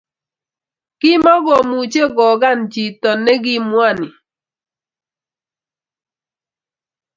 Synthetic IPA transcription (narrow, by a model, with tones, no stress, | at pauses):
kɪ˦mɔ˦ɡɔ˨mu˨t͡ʃe˦ɡɔ˨ɡa˦˨nt͡ʃi˨tɔ˨nːɛ˦ɡi˦mwa˦˨ni˨